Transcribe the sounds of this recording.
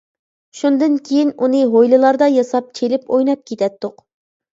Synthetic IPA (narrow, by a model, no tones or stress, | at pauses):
ʃund̪ɨnkʲʰejinunɨɦojlˠɨlˠɑɾd̪ɑjɑsɑp̚t͡ʃʰelɪpojnɑp̚kʲʰet̪ʰɛt̪ːʊq